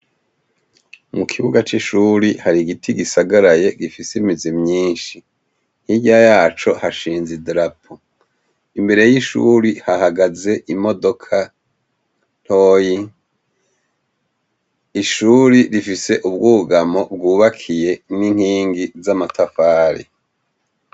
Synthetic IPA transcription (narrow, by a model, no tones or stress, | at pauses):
mukʰiβuɡat͡ʃiʃuːɾihaɾiɡitʰiɡisaɡaɾaje̞ɡifisimizimɲiːnʃi | n̥hiɟajaːt͡ʃo̞haʃiːnzidɾapʰo | imbe̞ɾe̞jiʃṵɾihahaɡaze̞ʔimo̞do̞kʰa | n̥oji | iʃuɾiɾifise̞ʔubɡuɡamo̞b̚ɡuːβakʰije̞niŋ̥hiːŋɡizamatafaːɾḭ